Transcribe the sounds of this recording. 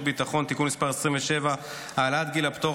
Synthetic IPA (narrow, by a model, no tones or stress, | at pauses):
bit̪aχo̞nt̪ikunmispaʁesʁiɱveʃe̞va | haːlat̪ɡilapt̪o